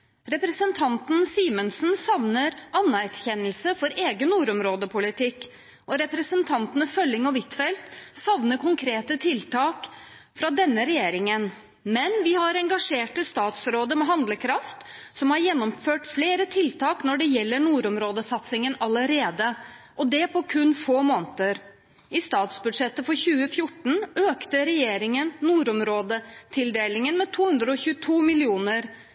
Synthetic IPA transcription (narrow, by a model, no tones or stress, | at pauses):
ɾɛpɾəsənt̪ʰɑnt̪nsiːmənsnsɑʋnəɾʔɑnːæɾçɛnːəlsəfɔɾeːɡənːuːɾɔmɾoːd̪əpʰʊlɪt̪ʰɪkː | ʔɔɾɛpɾəsənt̪ʰɑnt̪ənəfœlːɪŋɔʋɪt̪fɛlt̪sɑʋnəkʰʊŋkʰɾeːt̪ət̪ʰɪlt̪ɑːk | fɾɑd̪ɛnːəɾɛjeːɾɪŋən | mɛnʋɪhɑɾɛŋɡɑʂeːʈəst̪ɑːt̪sɾoːd̪əmɛɦɑnd̪ləkʰɾɑft̪ | sɔmhɑɾjɛnːɔmføːʈfleːɾət̪ʰɪlt̪ʰɑːknɔɖɛjɛlːəɳuːɾɔmɾoːd̪əsɑt̪sɪŋənɑləɾeːd̪əʔɔd̪ɛpʰɔkʰʉnːfoːmoːnt̪əɾ | ɪst̪ɑːt̪sbʉd̪ʂɛt̪ːəfɔɾçʉːəfjʊʈːɳ̩øːkt̪əɾɛjeːɾɪŋənnuːɾɔmɾoːd̪ət̪ʰɪld̪eːlɪŋənmɛt̪ʰuːhʉnd̪ɾəɔçʉːət̪ʰuːmɪlɪuːnəɾ